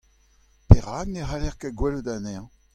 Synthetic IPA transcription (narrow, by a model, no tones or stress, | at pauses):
peʁaːɡneɦalɛʁkaɡwɛlud̪anɛɑ̃